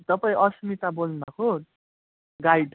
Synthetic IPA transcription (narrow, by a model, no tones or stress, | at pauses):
t̪ʌpaĩʔʌsmit̪abolmako | ɡajɖ